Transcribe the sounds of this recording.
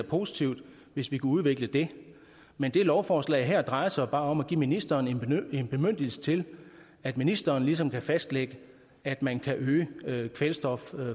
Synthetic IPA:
ɐpʰo̝sit͡sʰiʊd̥ | ʋe̝sʋikʰuuð̞ˠʋe̝ɡ̥ləd̥e̝ | mend̥e̝lɒʊfɒːslɛ̰ɪɦeɐ̰d̥ʁɑ̈ɪɐsɑ̈ɪb̥ɑ̈ːɒ̽mæɡ̥ḭːminisd̥ɐːnee̝nb̥e̝møn̰d̥əl̩sə̥t͡sʰe̝l | æd̥minisd̥ɐːnlisɒ̽mkʰæfæsd̥leɡ̥ə | æd̥mænkʰæʔøːəkʰʋelsd̥ɒ̽f

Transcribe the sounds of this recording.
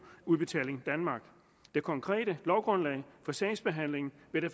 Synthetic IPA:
uðˠb̥e̝t͡sʰɛ̰ːle̝ŋd̥ænmɑ̈ːɡ̥ | d̥e̝kʰɒ̽ŋkʰʁɛ̰ːɾəlɒʊɡ̥ʁɔ̽nlɛ̰ɪfɒ̽sɛːɪsb̥e̝ɦæn̰le̝ŋn̩ʋeɾ̥e

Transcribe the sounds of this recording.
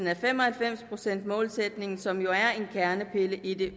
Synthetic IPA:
n̩æɐfem̰ɒ̽hælfem̰spʰʁo̝sen̰d̥̚mɔ̽ːlsed̥ne̝ŋn̩sɒ̽mjo̝æɐe̝nkʰæɐnəpʰe̝ləʔid̥e̝

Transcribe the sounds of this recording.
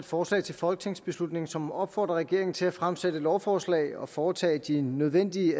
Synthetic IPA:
d̥fɒːslɛ̰ɪt͡sʰe̝lfɒ̽lɡ̥ət͡sʰe̝ŋ̰sb̥e̝slud̥ne̝ŋ̩sɒ̽mɒ̽b̥fɒ̰ːd̥ʁɐʁɡ̥e̝ɐeŋn̩t͡sʰe̝læfʁamsed̥əlɒʊfɒːslɛ̰ɪɒ̽fɒːt͡sʰɛ̰ːd̥inøð̞ˠʋen̰d̥iə

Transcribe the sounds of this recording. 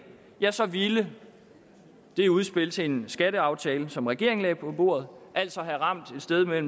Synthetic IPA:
jæsɒ̽ʋilə | d̥e̝uð̞̩ˠsb̥e̝l̰t͡sʰeensɡ̥æɾəɑ̈ʊt͡sʰɛːləsɒ̽mʁɛɡ̥e̝ɐeŋslɛ̰ːpʰɒ̽b̥o̝̰ɐð̞̩ˠʔæl̰d̥sɒ̽ɦæʁɑ̈m̰d̥e̝d̥sd̥eð̞ˠmel̰m̩

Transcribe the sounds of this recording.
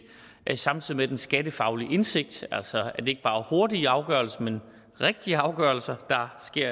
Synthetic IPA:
sɑ̈mnt͡sʰið̰ˠimed̥ensɡ̥æd̥əfɑ̈ʊliʔe̝nse̝ɡ̥̚d̥æl̰sɒæɐd̥e̝e̝ɡ̥əb̥ɑ̈ːho̝ɐd̥iɑ̈ʊɡ̥œɐlsɐmen | ʁɛɡ̥̚d̥iəɑ̈ʊɡ̥œɐlsɐd̥ɑ̈sɡ̥e̝ɐ̰

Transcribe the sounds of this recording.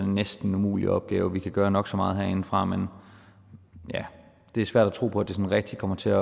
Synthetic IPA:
nːesd̥n̩umṵːlḭɒ̽b̥̚ɡ̥ɛːʊəʋikʰæɡ̥ɶːɐnɒ̽ɡ̥sɒ̽mɑ̈ːð̞̩ˠɦeɐ̰e̝n̩fʁɑ̈men | jæ | d̥e̝æɐsʋæɐ̰d̥æt͡sʰʁo̝̰ːpʰɒ̽æd̥e̝sɒ̽nʁɛɡ̥̚d̥ikʰɒ̽m̰ɐt͡sʰe̝æ

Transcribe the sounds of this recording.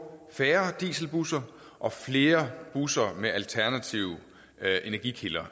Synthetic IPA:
fæːɐd̥ḭːsl̩b̥usɐ | ʔɒ̽fle̝ːɐb̥usɐmeʔælt͡sʰæɐnæt͡sʰiʊ | ʔe̝næɐɡ̥ikʰelɐ

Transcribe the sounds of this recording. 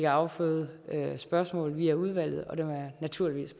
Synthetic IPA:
ɡ̥ɑ̈ʊfø̰ð̩ˠøsb̥ɶɐsmɔ̰̽ːlʋiːæuð̞ˠʋæl̰ð̩ˠɒ̽d̥emæɐnæt͡sʰuɐ̰liʋḭːs

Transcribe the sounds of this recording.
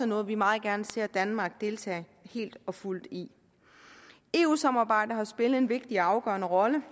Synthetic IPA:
ənɔ̽ːð̩ˠʋimɑ̈ːð̞̩ˠɡ̥æɐnəse̝ɐ̰d̥ænmɑ̈ːɡ̥̚d̥e̝lt͡sʰɛ̰ː | he̝̰ːld̥ɒ̽ful̰d̥i | e̝̰ːuːsɑ̈mɑ̈ːb̥ɑ̈ɪ̰d̥ɐhɑ̈sb̥e̝ləð̩ˠe̝nʋe̝ɡ̥̚d̥iɑ̈ʊɡ̥œːɐnəʁɒ̽lə

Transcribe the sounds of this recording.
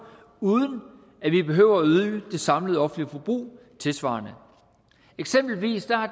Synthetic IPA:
uːð̞ˠən̩ | æʋib̥e̝ɦø̰ʊɐæyðˠd̥e̝sɑ̈mləð̞̩ˠɒ̽fndlifɒb̥ʁṵː | t͡sʰe̝lsʋɑ̰̈ːnə | eɡ̥semb̥l̩ʋḭːsd̥æ

